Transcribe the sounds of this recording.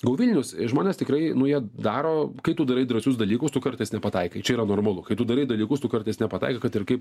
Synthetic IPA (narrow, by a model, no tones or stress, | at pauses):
ɡɐʊʋʲilʲnʲʊsʒmoːnʲeːst̪ʲɪkɾɐɪnʊjiɛd̪ɑːɾoːkɐɪt̪ʊd̪ɐɾɐɪd̪ɾɐsʲʊsd̪ɐlʲiːkʊst̪ʊkɐrt̪ɐɪsnʲɛpɐt̪ɐɪkɐɪt͡ʃʲɛiːɾɐnoːrmɐlˠʊkɐɪt̪ʊd̪ɐɾɐɪd̪ɐlʲiːkʊst̪ʊkɐɾt̪ɐɪsnʲɛpɐt̪ɐ̰ɪkɐkɐt̪ɪrkɐɪp